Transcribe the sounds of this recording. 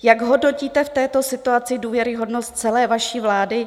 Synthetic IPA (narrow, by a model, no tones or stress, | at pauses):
jaɡɦo̞dno̞ciːt̪ɛft̪ɛːt̪o̞sɪt̪uat͡sɪduːvjɛɾɪɦo̞dno̞st̪̚t͡sɛlɛːvaʃiːvlaːdɪ